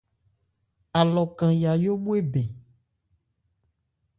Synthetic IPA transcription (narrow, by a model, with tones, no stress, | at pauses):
a˨lɔ˨kã˨ja˨jo˦ɓu˦e˦be˨